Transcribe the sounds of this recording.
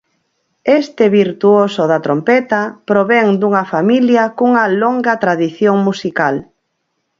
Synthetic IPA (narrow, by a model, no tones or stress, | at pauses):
est̪ɪβiɾt̪uosoðɐt̪ɾompɛt̪ɐpɾoβɛŋd̪uŋɐfamiljɐkuŋɐloŋɡɐt̪ɾaðiθjoŋmusikal